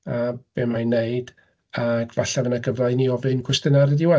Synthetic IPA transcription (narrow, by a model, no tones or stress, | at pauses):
ab̥emajneɨd̥ | aɡvaɬaðənaɡəvlaɨniɔvɨnkʰwɛstɨnaɾɨdɪwɛ